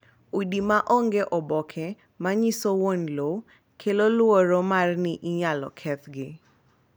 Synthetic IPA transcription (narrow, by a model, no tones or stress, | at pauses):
udimaʔoŋɡeʔɔbɔkʰɛ | maɲisowonlo | kʰelolwoɾomarnɪʔɪɲalɔ̰kʰɛt̪ɡɪ